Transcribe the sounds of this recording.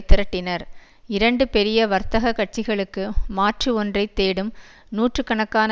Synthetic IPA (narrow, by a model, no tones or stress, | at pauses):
t̪ːɪɾɐʈːɪnɐɾ | ɪɾɐɳɖɯpɛɾɪjɐʋɐɾt̪ɐɣɐkːɐʈ̚t͡ʃɪɣɐɭɯkːɯmaːʈrɯɔndrɐɪt̪ːeːɽɯm | nuːʈrɯkɐɳɐkːaːnɐ